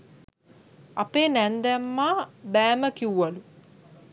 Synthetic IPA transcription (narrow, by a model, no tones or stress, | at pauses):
apeːnænd̪æmːaːbæːməkiwʋalu